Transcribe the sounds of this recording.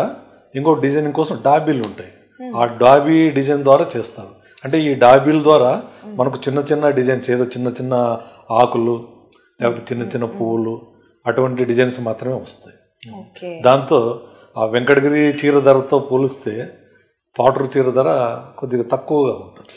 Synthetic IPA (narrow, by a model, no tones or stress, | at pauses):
iŋkoːɖid͡ʒɐjniŋkɔːsɐmɖaːbiːluɳʈaːji | aːɖaːbiːɖid͡ʒɐjnd̪ʋaːɾaːt͡ʃɛːst̪aːɾu | ɐɳʈe̞ːiːɖaːbiːlɐd̪ʋaːɾaːmɐnɐk̬ut͡ʃinːɐt͡ʃinːɐɖid͡ʒɐjnseːd̪o̞ːt͡ʃinːɐt͡ʃinːɐ | aːkulu | lɛːpɐt̪̬ːe̞ːt͡ʃinːɐt͡ʃinːɐpuːlu | ɐʈuʋɐɳʈ̬iɖid͡ʒɐjnsmaːt̪ɾɐme̞ːʋɐst̪aji | d̪aːnt̪o̞ː | aːʋeŋkɐɽɐɡɐɾit͡ʃiːɾɐd̪ɐɾɐt̪o̞ːpoːlist̪e̞ː | paːʈɐɾut͡ʃiːɾɐd̪ɐɾɐkod̪iɡaːt̪ɐkːuʋɐɡaːuɳʈund̪i